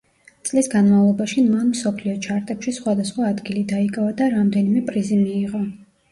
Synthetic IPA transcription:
t̪sʼlisɡanmavlˠɔbaʃimanmsɔpʰliɔt͡ʃʰaɾt̪ʼɛpʃisχwad̪asχwaːd̪ɡilid̪aikʼavad̪aɾamd̪ɛnimɛpʼɾizimiːʁɔ

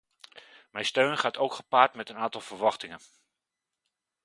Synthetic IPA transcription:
mɛjstøɥnχaːtowkχə̥paːɹtmɛtənaːntɑlˠvəɹʋɑχtɪŋən

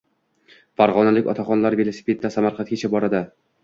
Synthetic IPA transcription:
faɾʁɒnalɪkʲɒ̰t̪ʰaχɒnlaɾve̞lˠosi̥pʰe̞t̪ːasamaɾqʰɑnt̪kʲat͡ʃʰabɒɾad̪ɪ

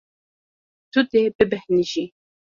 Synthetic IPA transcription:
t̪ud̪ebɨbɛhniʒi

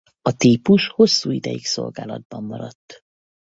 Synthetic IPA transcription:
ɒt̪iːpuʃho̞sːuːid̪ɛjikso̞lɡaːlɒd̪̚bɒmːɒɾɒt̪ː

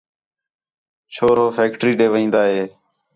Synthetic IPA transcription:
t͡ʃʰoːɾɦoːfʰeːkʈɾiːɖeːʋĩːnd̪aːɦeː

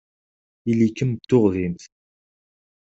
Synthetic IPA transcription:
ilikəmt̪ːʊʁðint̪

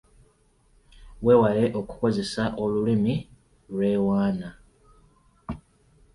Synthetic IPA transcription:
we̞ːwale̞ʔo̞ku̥ko̞ze̞saʔo̞lulimi | lwe̞ːwaːna

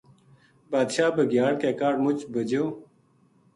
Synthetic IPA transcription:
baːd̪ɕaːbɐɡjaːɽkeːkaːɖmut͡ɕbɐd͡ʑew

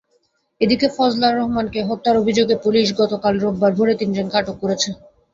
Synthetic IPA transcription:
ed̪ikefɔd͡ʑlaɾɔɦmankeɦɔt̪ːaɾobʱid͡ʑoɡepuliʃ̬ɡɔt̪okalɾobːaɾbʱoɾet̪ind͡ʑenkaʈokːoɾet͡ɕʰe

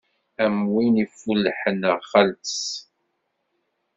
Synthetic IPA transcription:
æmwinifulːħənəʁχəlt̪əs

